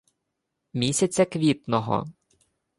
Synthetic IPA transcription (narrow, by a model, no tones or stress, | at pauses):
mʲisʲɐt͡sʲɐkʋʲit̪nɔɦɔ̰